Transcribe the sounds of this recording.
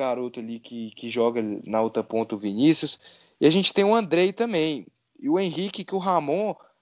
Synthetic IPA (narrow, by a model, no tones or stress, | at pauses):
aɾot̪ʊɐlikɪkɪʒɔɡɐnaot̪ɾɐpõt̪ɐʊvinisjʊs | ɪaʒẽnt͡ʃɪ̥t̪ẽj̃ũɐ̃nd̪ɾejt̪ɐ̃mbẽj̃ | ɪʊẽɦikɪkɪʊɦamõ